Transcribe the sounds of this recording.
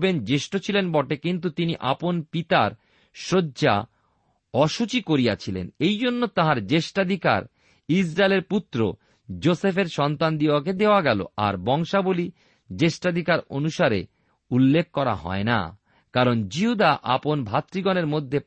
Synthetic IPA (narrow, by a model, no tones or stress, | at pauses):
bend͡ʑeʃʈot͡ɕʰilenbɔʈekint̪̬ut̪iniʔa̰ponpit̪aɾ | ʃoːd͡ʑa̰ | ɔʃut͡ɕikoɾijat͡ɕʰilḛnejd͡ʑonːot̪ãɦaɾd͡ʑeʃʈad̪ʱika̰ɾ | isɾaeleɾput̪ːɾo̰ | d͡ʑosefeɾʃɔnt̪and̪iaked̪eoaɡɛlo̰a̰ɾbɔŋʃaboli | d͡ʑeʃʈad̪ʱikaɾo̰nuʃaɾḛ | ulːekʰːkɔɾa̰ɦɔ̰ena̰ | kaɾond͡ʑiɦud̪aʔaponbʱat̪ːɾiɡɔneɾmod̪ʱːe